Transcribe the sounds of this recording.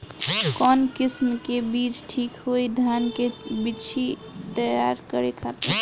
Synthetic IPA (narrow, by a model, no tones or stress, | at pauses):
kɔnkismkebit͡ʃʈʰikɦojd̪ʱankebit͡ʃʰi | t̪əjaɾkəɾekʰat̪i